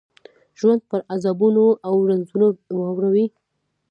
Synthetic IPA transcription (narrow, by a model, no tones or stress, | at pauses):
ʒwand̪̚pəɾazabunoawɾanzunowɑwɾawi